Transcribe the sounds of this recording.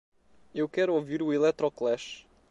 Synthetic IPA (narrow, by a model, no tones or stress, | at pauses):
ewkɛɾuoviɾuilˠɛt̪ɾɔklˠɛʃ